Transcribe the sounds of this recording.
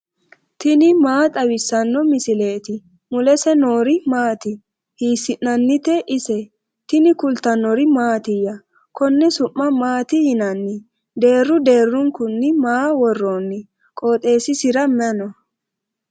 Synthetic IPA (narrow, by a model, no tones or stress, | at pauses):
t̪ɪnɪmaːt̪ʼɐwɪsːɐnːɔmɪsɪle̞ːt̪ɪ | mʊlɛsɛno̞ːɾɪmaːt̪ɪ | hiːsːɪnːɐnːɪt̪ɛʔɪsɛ | t̪ɪnɪkʊlt̪ɐnɔɾɪmaːt̪ɪjɐ | kɔnːɛsʊʔːɐmaːt̪ɪjɪnɐnːɪ | d̪e̞ːrːʊd̪e̞ːrːʊŋkʊnːɪmaːwɔrːoːnːɪ | kʼoːt̪ʼe̞ːsɪsɪɾɐmɛnɔ